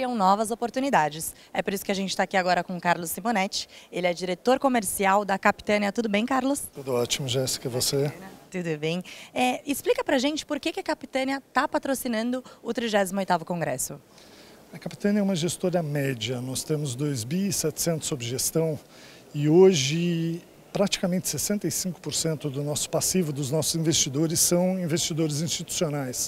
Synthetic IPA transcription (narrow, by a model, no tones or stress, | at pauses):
iɐ̃w̃nɔvɐzopoɾt̪unid̪ad͡ʒɪs | ɛpoɾisʊ̥kɪaʒẽnt͡ʃɪ̥t̪akiaɡɔɾɐkõkaɾlʊsːimonɛt͡ʃɪ̥elɪɛd͡ʒiɾet̪oɾkomeɾsiawd̪ɐkapi̥t̪ɐ̃niɐt̪ud̪ʊbẽj̃kaɾlʊst̪ud̪ʊɔt͡ʃimʊʒɛsɪ̥kɛvoset̪ud̪ʊbẽj̃ɛɪsplikɐpɾɐʒẽnt͡ʃɪ̥poɾkekɪɐkapi̥t̪ɐ̃niɐt̪apat̪ɾosinɐ̃nd̪ʊʊt̪ɾiʒɛzimʊojt̪avʊkõŋɡɾɛ̰sʊ | ɐkapi̥t̪ɐ̃niɐɛũmɐʒest̪oɾɐmɛd͡ʒɐnɔst̪ẽmʊzd̪ojzbisɛt͡ʃ̪ɪ̥sẽnt̪ʊ̥sobɪʒest̪ɐ̃w̃ | ɪoʒɪ | pɾat͡ʃi̥kɐmẽnt͡ʃ̪ɪ̥sesẽnt̪ɐjsĩkʊ̥poɾsẽnt̪ʊd̪ʊnɔsʊ̥pasivʊd̪ʊznɔsʊzĩvest͡ʃid̪oɾɪsːɐ̃w̃ĩvest͡ʃid̪oɾɪzĩst͡ʃit̪u̥sionajs